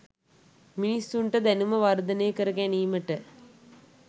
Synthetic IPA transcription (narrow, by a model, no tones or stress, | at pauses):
minisuɳʈɐd̪ɛnumɐʋɐɾd̪ɐneːkɐɾɐkæ̃ːniːmɐʈːɐ